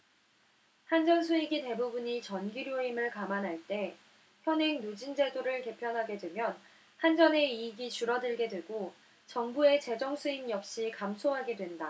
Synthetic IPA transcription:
hand͡ʑʌns̬ʰuiɡite̞bubuɲit͡ɕʌnɡiɾjoeimɯɭkamanɦaɭt͈e̞ | çjʌnɦe̞ŋnud͡ʑind͡ʑe̞doɾɯɭke̞pʰjʌnɦaɡe̞dwe̞mjʌn | hand͡ʑʌne̞iɡit͡ɕuɾʌdɯɭɡe̞dwe̞ɡo | t͡ɕʌŋbue̞t͡ɕe̞d͡ʑʌŋsʰuimjʌp̚ɕ͈ikamsʰoɦaɡe̞dwe̞nda

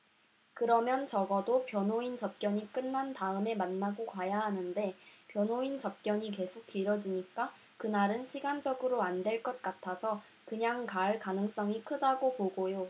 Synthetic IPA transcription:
kɯɾʌmjʌnt͡ɕʌɡʌdopjʌnoint͡ɕʌp̚k͈jʌɲik͈ɯnːantaɯme̞manːaɡokwajaɦanɯnde̞pjʌnɦoint͡ɕʌp̚k͈jʌɲike̞sʰok̚t͈iɾʌd͡ʑiɲik͈a | kɯnaɾɯnɕʰiɡand͡ʑʌɡɯɾoandwe̞ɭk͈ʌt̚k͈atʰasʰʌ | kɯɲaŋkaɭkanɯŋs͈ʌŋikʰɯdaɡopoɡojo

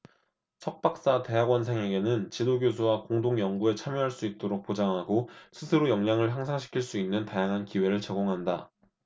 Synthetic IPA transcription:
sʰʌk̚p͈ak̚s͈ate̞ɦaɡwʌnsʰeŋe̞ɡe̞nɯnt͡ɕidoɡjosʰuwakoŋdoŋjʌŋɡue̞t͡ɕʰamjoɦaɭs͈uit̚t͈oɾok̚p͈od͡ʑaŋɦaɡosʰɯsʰɯɾojʌŋɲaŋɯɭɦjaŋsʰaŋɕʰi̥kʰiɭs͈uinːɯntajaŋɦankiwe̞ɾɯɭt͡ɕe̞ɡoŋɦanda

